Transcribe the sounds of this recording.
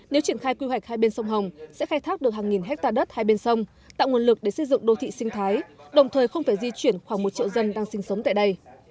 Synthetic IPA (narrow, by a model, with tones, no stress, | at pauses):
ne˨˦wt͡ɕi˧˩ənxaː˧jkwi˧hwa˨˩jk̚haː˧jɓe˧nsə˧wŋ͡mɦə˨˩wŋ͡msɛ̰˧˥xaː˧jt̪ʰa˦˥k̚ɗɨ˨˩ək̚haː˨˩ŋi˨˩nɦɛ˦˥k̚t̪aː˧ɗə˦˥t̚haː˧jɓe˧nsə˧wŋ͡m | t̪a̰ː˧˨ŋu˨˩ənlɨ˨˩k̚ɗe˧˩sə˧˩jzɨ̰˧˨ŋɗo˧t̪ʰḭ˧˨sï˧ŋ̟t̪ʰaː˨˦jɗə˨˩wŋ͡mt̪ʰəː˨˩jxə˧wŋ͡mfaː˧˩jzi˧t͡ɕwi˧˩ənxwaː˧˩ŋmo˨˩t̚t͡ɕḭ˧˨wzə˧nɗaː˧ŋsï˧ŋ̟sə˨˦wŋ͡mt̪a̰ː˧˨jɗə˧j